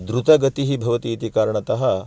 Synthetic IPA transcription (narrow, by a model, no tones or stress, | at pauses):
d̪ɾut̪ɐɡɐt̪iɦibʱɐʋɐt̪iːt̪ikaːɾɐɳɐt̪ɐɦɐ